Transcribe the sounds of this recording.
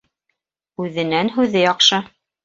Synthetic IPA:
ʉðɘ̆nænɦʉðɘjɑqʃɤ

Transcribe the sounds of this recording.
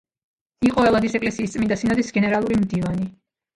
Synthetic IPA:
iqʼɔɛlˠad̪isɛkʼlɛsiːst̪sʼmind̪asinad̪isɡɛnɛɾalˠuɾimd̪ivani

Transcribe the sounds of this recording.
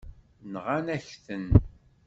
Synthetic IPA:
nʁanæçθən

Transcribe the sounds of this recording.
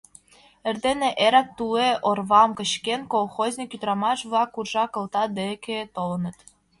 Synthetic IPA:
ĕrd̪eneʔeɾæk̚t̪uleʔorβɑmkə̆ɕkenkolˠxozʲnʲikyt̪ɾɑmɑʃβlˠɑkurʒɑkɤ̆lˠt̪ɑd̪ekʰet̪olɤ̆nɤ̆t̪

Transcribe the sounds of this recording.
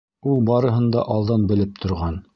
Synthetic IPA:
ulˠbɑɾɤ̆ɦɤ̆nd̪ɑ̰ʔɑlˠd̪ɑnbɘ̆lɘp̚t̪ʰŏɾʁɑn

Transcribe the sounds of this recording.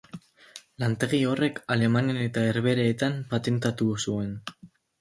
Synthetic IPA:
lant̪e̞ɣ̞io̞re̞kale̞maniane̞t̪aeɾβe̞ɾaːt̪ampat̪e̞nt̪at̪usue̞n

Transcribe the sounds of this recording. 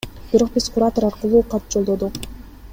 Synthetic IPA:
b̥iɾo̞q̚bizqʰʊɾat̪oɾɑɾqɯlˠuːqʰɑt̪̚d͡ʒolˠd̪od̪uq

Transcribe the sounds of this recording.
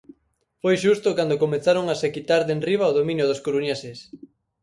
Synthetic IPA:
fojʃ̬ust̪okand̪okomeθaɾoŋasekit̪aɾðenriβaoðomĩnjʊð̞oskoɾunesɪs

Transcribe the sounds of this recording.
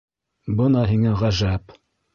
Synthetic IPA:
bɤnɑɦiŋæʁæʒæp

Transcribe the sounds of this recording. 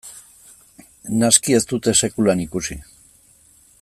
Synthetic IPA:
naskie̞st̪ut̪e̞se̞kulanikusi

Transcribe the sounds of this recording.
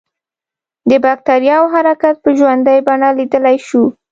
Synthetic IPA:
d̪əbak̚t̪aɾjɑwɦaɾakat̪̚pəʒwand̪ajbaɳalid̪əlajʃu

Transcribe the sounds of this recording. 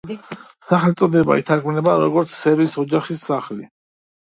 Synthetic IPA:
saχɛlt̪sʼɔd̪ɛba̰ɛt̪ʰaɾɡmnɛbaɾɔɡɔɾt̪sʰsɛɾvisɔd͡ʒaχisːaχli

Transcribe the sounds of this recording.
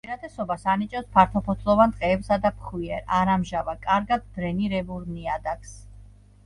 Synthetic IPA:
iɾat̪ʰʼɛsɔbasanit͡ʃʼɛspʰaɾt̪ʰɔpʰɔt̪ʰʼlˠɔvant̪ʼqʼɛːbsad̪apʰχwiɛɾaɾamʒavakʼaɾɡad̪̚ːɾɛniɾɛvuɾniad̪akʰs

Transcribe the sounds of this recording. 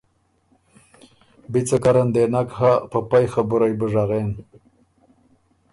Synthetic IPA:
bit͡sakaɾand̪enakɦapəpajxabuɾajbəʐaɣen

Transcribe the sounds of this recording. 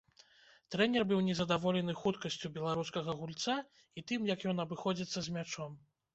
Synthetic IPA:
t̪ɾɛnʲɛrbɨwnʲɛzɐd̪avɔlʲɛn̪ɨxut̪kɐsʲt͡sʲubʲɛlˠaɾuskɐɣɐɣulʲt̪sa | it̪ɨmjɐkjɔn̪ɐbɨxɔd͡zʲit̪sːɐzʲmʲat͡ʂɔm

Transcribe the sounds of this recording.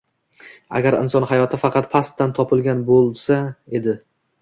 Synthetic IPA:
a̰ɡʲaɾɪ̰nsɒnhajɒt̪ʰɪfɑqʰɑt̪̚pʰast̪ːant̪ʰɒpʰɪlˠɡʲanbolˠsae̞d̪ɪ

